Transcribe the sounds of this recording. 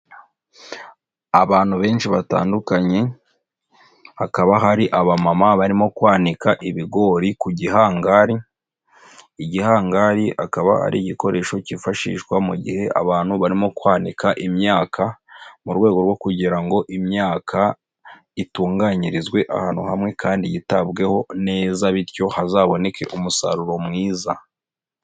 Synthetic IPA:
aβaːn̥huβe̞ːnʃiβata̰ːndukaɲe̞ | hakaβaɦaɾiʔaβamamaβaɾimo̞kwaːnikaʔiβiɡo̞ːɾikuɟiɦaːŋɡaɾi | ɟihaːŋɡaːɾia̰kaβa̰ha̰ɾḭɟiko̞ɾe̞ːʃo̞cifaʃḭːʃkwamuɟḭhe̞ʔa̰βaːnhuβaɾimo̞kwaːnikʰaʔimɲaːkʰamuɾɡwe̞ːɡo̞ɾwo̞kuɟiɾaŋɡo̞ʔimɲaːkʰa | ituːŋɡaɲiɾizɡwe̞ʔa̰haːn̥uhamŋe̞kʰaːndijitabɡe̞ho̞ne̞ːzaβiɾco̞hazaːβo̞ne̞ke̞̰ʔumusa̰ɾuɾo̞mŋiːza̰

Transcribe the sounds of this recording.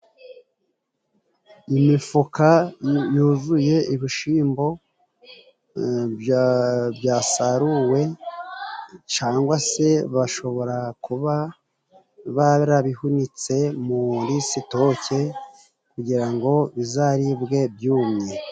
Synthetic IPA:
imifukajuːzuje̞iβiʃiːmbo̞ | bjaːsaɾuwe̞ | t͡ʃaːŋɡwase̞βaʃo̞βo̞ɾakuβa | βaɾaβihunit͡se̞muɾisito̞ce̞ | kuɟiɾaŋɡo̞βizaɾibɡe̞b̚juːmɲe

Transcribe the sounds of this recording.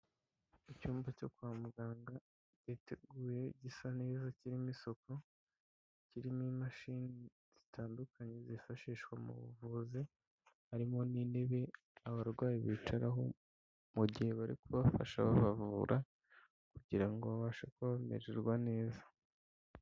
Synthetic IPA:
icuːmbaco̞kwaːmuɡaːŋɡa | ɟateɡuːje̞ɟisane̞ːzaciɾimiso̞ko̞ | ciɾimimaʃini | z̥i̥tʰaːndukʰaɲezifaʃiːʃkwamṵβṵvuze | haɾimo̞niːneβe̞ | aβaɾɡwaːjiβiːt͡ʃaɾaɦo̞ | muɟihe̞βaɾḭkuβafa̰ʃaβaβavuɾʔa | kuɟiɾaŋɡo̞βaβaːʃakoβamḛɾeɾɡwane̞ːzḁ

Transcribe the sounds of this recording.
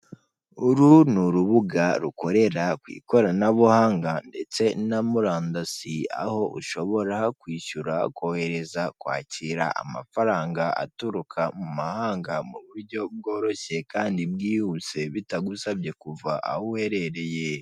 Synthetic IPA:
uɾunuɾuβuɡaɾuko̞ɾe̞ɾakwḭːko̞ɾanaβuhaːŋɡande̞t͡se̞namuɾaːndasia̰ho̞ʔṵʃo̞βo̞ɾakwiːʃuɾakohe̞ɾe̞zakwa̰ːciɾa̰ʔa̰ma̰faɾaːŋɡaʔa̰tuɾukʰamumahaːŋɡamuβuɾɟo̞b̚ɡo̞ːɾo̞çe̞kaːndibɡiːhut͡se̞βitaɡusabje̞kuvaʔa̰huwhe̞ɾe̞ɾe̞je

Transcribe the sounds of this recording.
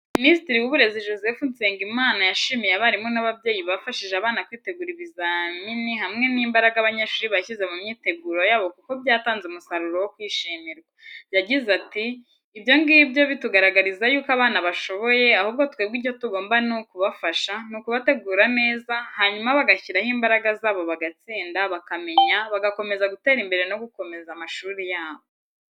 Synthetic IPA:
ministiɾiwuβuɾe̞ziʒo̞ze̞funseːŋɡimaːnajaʃiːmijeaβaɾimonaβabje̞ːjiβafaʃiʒeaβaːnakwiːte̞ɡuːɾiβizaminiɦamŋe̞niːmbaɾaɡaaβaɲeʃuːɾiβaçize̞mumɲiːte̞ɡuːɾo̞jaːβo̞kuko̞bjaːtaːnzeumusaɾuɾowo̞kwiːʃimiɾɡwajaɟizatiː | bjo̞ŋɡibjo̞βituɡaɾaɡaɾizajuːkaβaːnaβaʃo̞βo̞je̞ahuːb̚ɡo̞tkweːbɡiɟo̞tuɡo̞ːmbanukuβafaʃanukuβate̞ɡuːɾane̞ːzahaɲumaβaɡaçiɾahimbaɾaɡazaːβo̞βaɡat͡siːndaβakame̞ɲaβaɡako̞me̞zaɡute̞ːɾimbe̞ɾe̞no̞ɡuko̞me̞zamaʃuːɾijaːβo

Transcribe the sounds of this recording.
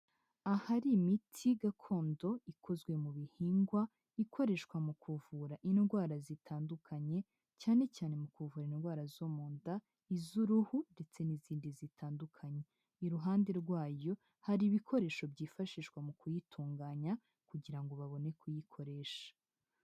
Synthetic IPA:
ahaɾimitʰiɡakʰo̞ːndo̞ikʰo̞zɡwe̞muβihiːŋɡwa | ikʰo̞ɾe̞ʃkwamukuvuɾaʔinɡwaːɾazitʰaːndukʰaɲe̞ | caːne̞caːne̞mukuvuːɾainɡwaːɾazomuːnda | izuɾuhunde̞t͡se̞niziːndizitʰaːndukʰaɲe̞ | iɾuɦaːnde̞ɾɡwaːjo̞ | haɾiβikʰo̞ɾe̞ːʃo̞bɟiːfaʃiːʃɡwamukujitʰuːŋɡaːɲa | kuɟiɾaŋɡo̞βaβo̞ne̞kujikʰo̞ɾe̞ːʃḁ

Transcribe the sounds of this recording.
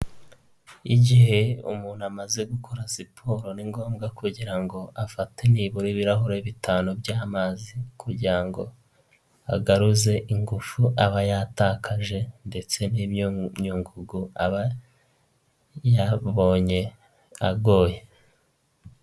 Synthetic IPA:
iɟiɦe̞ṵmuːn̤̥uamaze̞ɡukʰoɾasipʰoɾo̞niŋɡo̞ːmɡakuɟiɾaŋɡo̞ʔafateniːβuɾiβiɾaɦoɾeβitʰaːnobjaːmaːzikuɟiɾaŋɡo̞ | a̰ɡaɾuze̞ʔiŋɡufuaβajataːkʰaʒe̞nde̞t͡se̞niɲuːŋɡuɡuaβa | jaβo̞ːɲe̞ | aɡo̞ːje̞

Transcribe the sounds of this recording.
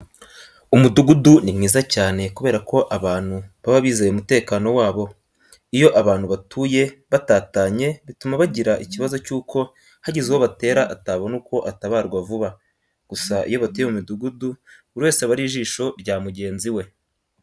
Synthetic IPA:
umuduɡudunimŋiːzacaːne̞kuβe̞ːɾako̞ʔaβaːn̥huβaβaβiːzejeumute̞ːkano̞waːβo̞ | ijo̞ʔaβaːn̥huβatʰuːje̞βataːtaːɲe̞βitumaβaɟiɾaʔiciβazo̞cuːkʰo̞ | haɟizewoβate̞ːɾaʔataβonuːko̞ʔataβaːɾɡwavuβa | ɡ̥usaʔḭjo̞βatujemumiduɡudu | uɾiwe̞ːseβaɾiʒiːʃo̞ɾɟaːmuɟe̞ːnziwe̞

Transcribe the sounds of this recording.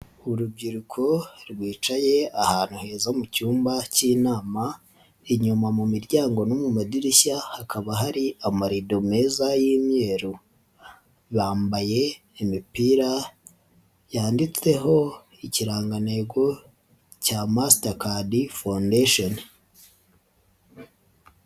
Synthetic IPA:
uɾub̚ɟiɾukʰo̞ɾɡwiːt͡ʃaje̞ahaːn̥huhe̞ːzamucuːmbaciːnaːma | iɲumamumiɾɟaːŋɡo̞nomumadiɾiçahakaβaɦaɾiamaɾidome̞ːzajiːmɲe̞ːɾu | βaːmbaje̞ | imipiːɾa | jaːndit͡se̞ɦo̞ | iciɾaːŋɡane̞ɡo̞ | camastakadifandeʃon

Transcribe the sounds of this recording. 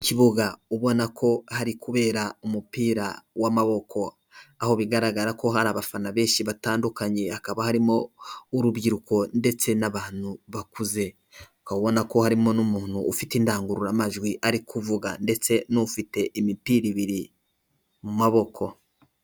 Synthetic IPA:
ciβuɡauβo̞nakʰo̞haɾikuβe̞ːɾaumupiːɾawamaβo̞kʰo̞ | aho̞βiɡaɾaɡaɾako̞ɦaɾaːβafanaβe̞ːʃiβataːndukaɲe̞akaβahaɾimo̞uɾuβɡiɾuko̞nde̞t͡se̞naβaːn̥uβakuze̞ | ukauβo̞nako̞haɾimo̞numuːn̥huːfitiːndaːŋɡuɾuɾamaʒɡwiʔaɾikuvuɡa̰nde̞t͡se̞nofite̞ʔimipiːɾiβiɾi | mumaβo̞kʰo̞

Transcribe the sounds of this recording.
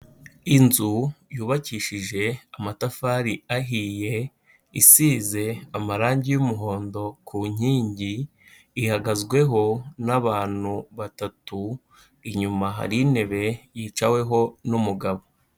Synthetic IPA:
inzujuːβaciːʃiʒe̞amatafaɾiaɦiːje̞ | isiːze̞amaɾaːɲɟijumuɦo̞ːndo̞kʰuːɲ̥iːɲɟiː | haɡazɡwe̞ɦo̞naβaːn̥huβatatu | iɲumaɦa̰ɾine̞βe̞jiːt͡ʃawe̞ɦo̞numuɡaβo̞

